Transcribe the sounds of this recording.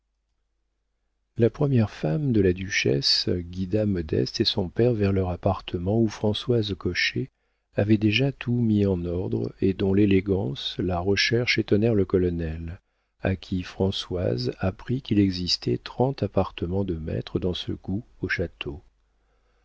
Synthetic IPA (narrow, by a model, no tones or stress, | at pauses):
lapχəmjɛʁfamd̪əlad̪yʃɛ̰sɡʲid̪amɔd̪ɛ̰st̪esɔ̃pɛʁvɛʁlœʁapaʁt̪ʰəmɑ̃ufχɑ̃swazkɔʃe | avɛd̪eʒat̪ʰumiɑ̃nɔʁd̪ʁed̪ɔ̃leleɡɑ̃slaʁəʃɛʁʃet̪ɔnɛʁləkɔlɔnɛl | a̰kʲʰifχɑ̃swa̰zapχikilɛɡzist̪ʰɛ̰t̪χɑ̃t̪apaʁt̪əmɑ̃d̪əmɛ̰t̪χəd̪ɑ̃sə̰ɡ̥uoʃat̪ʰo